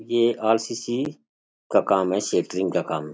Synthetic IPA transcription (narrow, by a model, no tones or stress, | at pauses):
eaːlsiːsi | kakaːmɦɛseːʈɾɪ̃ŋɡkakaːmɦɛ